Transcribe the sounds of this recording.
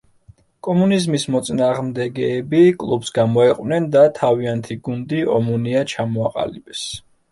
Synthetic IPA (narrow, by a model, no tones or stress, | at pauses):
kʼɔmunizmismɔt̪sʼnaːʁmd̪ɛɡɛːbikʼlˠubsɡamɔɛqʼwnɛnd̪at̪ʰaviant̪ʰiɡund̪iɔmuniat͡ʃʰamɔaqʼa̰libɛs